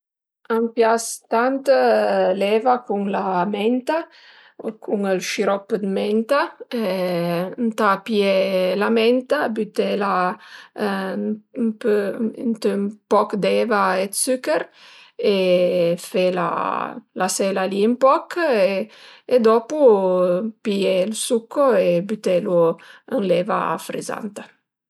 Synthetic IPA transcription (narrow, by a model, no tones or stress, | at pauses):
ampjast̪ant̪lɛvakuŋlamɛnt̪a | kʰuŋəlʃiɾɔpd̪mɛnt̪a | nt̪aːpjelamɛnt̪abyt̪ela | pønt̪əmpɔkd̪ɛvaed̪sykəɾ | efela̰lasɛlaliəmpɔkeed̪ɔpu | pielsukːoebyt̪eluənlɛva̰fɾḭza̰nt̪ə